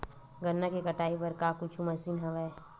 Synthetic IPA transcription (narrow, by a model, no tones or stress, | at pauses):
ɡənːakikəʈaːipɐɾkakʊt͡ʃʰuməsiːnɦəʋɛ